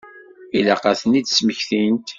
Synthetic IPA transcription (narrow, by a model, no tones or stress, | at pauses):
ilæqɑθənid̪sməçθint̪